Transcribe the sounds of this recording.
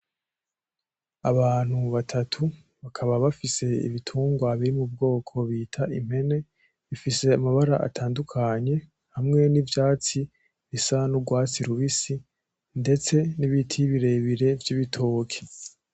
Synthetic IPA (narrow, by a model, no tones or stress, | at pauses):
aβaːn̥huβatʰatʰu | βakʰaβaβafise̞ḭβitʰuːŋɡwaβiɾimub̚ɡo̞ːkʰo̞βiːtʰaʔim̥he̞ne̞ | βifise̞amaβaɾaʔa̰tʰaːndukʰaɲe̞ | hamŋe̞nivjaːt͡si | βisanuɡwaːt͡siɾuβisi | nde̞t͡se̞niβitʰiβiɾe̞βiɾe̞vjiβitʰoːkʰe̥